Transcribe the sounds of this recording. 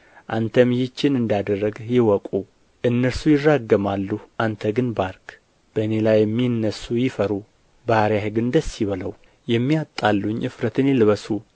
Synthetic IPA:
ʔant̪ʰəmjɪt͡ʃːɪnɨnd̪ad̪ərːəɡjɪwɔkʼu | ʔɨnːəɾsujɪrːaɡːəmalːuhʔant̪ʰəɡɨnbaɾk | b̥əne̞lajɛmːinːəsujɪfəɾu | bahaɾjahɨɡɨnd̪əsːiβələw | jɛmːiat̪ʼːalːuɲɨfɾət̪ʰɨnjɪlɨβəsu

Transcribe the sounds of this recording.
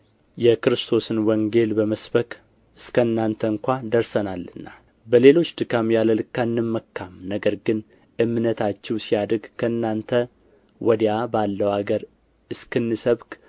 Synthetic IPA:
jɛkɨɾɨst̪ʰo̞sɨnwɔŋɡe̞lbəməsbəkʼ | ɨskʰənːant̪ʰəŋkʷad̪əɾsənalːɨnːa | bəle̞lo̞t͡ʃːd̪ɨɡamjaləlɨkːanːɨmːəkʰːamnəɡəɾɡɨn | ʔɨmːnət̪ʰat͡ʃːɛwsijad̪ɾɡkʰəɨnːant̪ʰə | wɔd̪jabalːəwaɡəɾ | ɨskɨnːɨsəβkʼ

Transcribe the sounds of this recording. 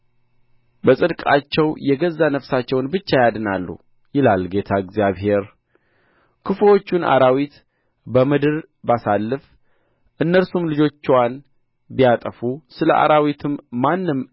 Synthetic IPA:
bəsʼɨd̪kʼat͡ʃːɛwjɛɡəzːanəfsat͡ʃːɛwnbɨt͡ʃːajad̪ɨnalːṵ | jɪlalɡe̞t̪ʰaɨɡzjaβɦe̞ɾ | kʰɨfwo̞t͡ʃːunʔa̰ɾawit̪ | bəmɨd̪ɨɾ | basalːɨf | ʔɨnːəɾsumlɨd͡ʒo̞t͡ʃːwan | bijat̪ʼəfusɨləʔa̰ɾawit̪ʰɨmːanːɨm

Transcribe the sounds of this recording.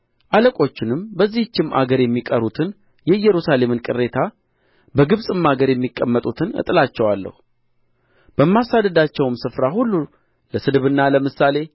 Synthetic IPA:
ʔaləkʼo̞t͡ʃːɪnɨmbəzːiht͡ʃːɪmʔa̰ɡəɾjɛmːikʼəɾut̪ʰɨn | jɛɨjːɛɾusale̞mɨnkʼɨrːe̞t̪ʰa | bəɡɨβsʼɨmːaɡəɾjɛmːikʼːəmːət̪ʼut̪ʰɨnɨ̰t̪ʼɨlat͡ʃːɛwalːə̰hu | b̥əmːasad̪əd̪at͡ʃːɛwɨmsɨfɾaɦulːu | ləsɨd̪βɨnːaləmɨsale̞

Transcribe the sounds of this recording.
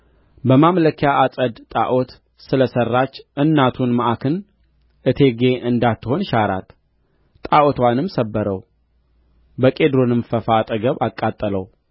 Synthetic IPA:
bəmamləkʰjaʔasʼəd̪t̪ʼa̰ʔot̪ | sɨləsərːat͡ʃːʔɨnːat̪ʰunmaʔakʰɨn | ʔɨt̪ʰe̞ɡe̞ʔɨnd̪at̪ːɨho̞nʃaɾa̰t̪ | t̪ʼaʔot̪wanɨmsəbːəɾəw | bəkʼe̞d̪ɾonɨmfəfat̪ʼəɡəβakʼːat̪ʼːələw

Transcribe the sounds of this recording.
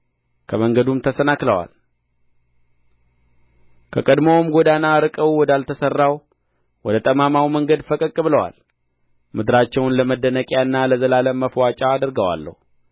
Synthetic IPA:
kʰəməŋɡəd̪umt̪ʰəsənakləwa̰l | kʰəkʼəd̪mowmɡod̪anaɾɨkʼəwwɔd̪alt̪ʰəsərːaw | wɔd̪ət̪ʼəmamawməŋɡəd̪fəkʼəkʼːɨbɨləwa̰l | mɨd̪ɨɾat͡ʃːɛwnləməd̪ːənəkʼjaɨnːaləzəlaləmːəfwat͡ʃʼaːd̪əɾɡəwa̰lːə̰hu

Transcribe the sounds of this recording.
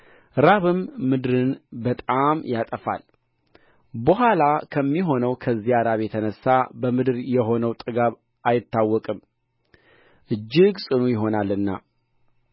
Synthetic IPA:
ɾaβɨmːɨd̪ɨɾɨnbət̪ʼamjat̪ʼəfa̰l | bəɦalakʰəmːiɦo̞nəwkʰəzːijaɾaβjɛt̪ʰənəsːabəmɨd̪ɨɾjɛɦo̞nəwt̪ʼɨɡaβ | ʔajɪt̪ːawːɔkʼɨm | ʔɨd͡ʒːɪɡsʼɨnujɪɦo̞nalːɨnːa̰

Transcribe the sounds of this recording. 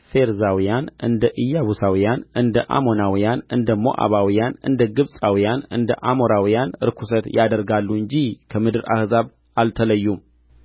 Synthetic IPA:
fe̞ɾzawijanɨnd̪əʔɨjːaβusawijanɨnd̪əʔa̰mo̞nawijanɨnd̪əmːo̞̰ʔa̰βawijanɨ̰nd̪əɡɨβsʼawijanɨ̰nd̪əʔamo̞ɾawijanɨɾkʰusət̪jad̪əɾɡalːuɨɲd͡ʒihkʰəmɨd̪ɨɾa̰hzaβ | alt̪ʰələjːum

